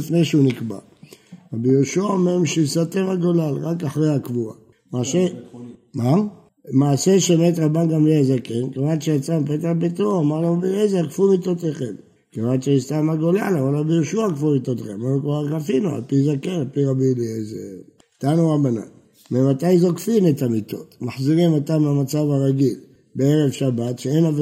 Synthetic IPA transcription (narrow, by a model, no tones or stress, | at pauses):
ifneʃeunikba̰ | ʁabijoʃuaomeʁmʃisat̪emaɡolalʁakaħʁehakvua̰ | masema | maːseʃemet̬ʁabanɡamlizakenkevanʃeat͡sampet̪̬abit̪uamaʁloʁabilezaakfumit̪ot̪eχem | kevanʃeist̪amaɡola̰lavalʁabijoʃuakfumit̪oteχemanukvaakafinua̰lpizakenalpiʁabilieze | t̪anuabana̰n | memat̪ajzokfinetamit̪o̞̰t̪maħziʁimat̪ameamat͡savaʁaɡil | beeʁevʃabatʃeenav